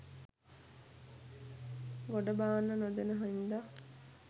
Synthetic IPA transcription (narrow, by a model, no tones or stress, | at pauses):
ɡoɖəbaːnːənod̪enəɦoind̪a